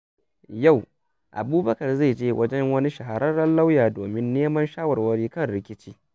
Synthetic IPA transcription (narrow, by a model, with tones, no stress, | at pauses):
ja˦˨w | ʔa̰˨buː˦bɐ˦kɐ˨rza˦˨d͡ʒeː˦wʔɐ̰˦d͡ʒɛ˦ŋwɐ˦ni˦ʃɐ˨ɦa˨ɾɐ˦rɽɐ˦nla˦wjaː˨doː˨mɪ˦nːeː˦mɐ˦nʃaː˦wɐ˨rwɐ˦ɽiː˦kɐ˦˨nɽɪ˦kʲɪ˦t͡ʃiː˦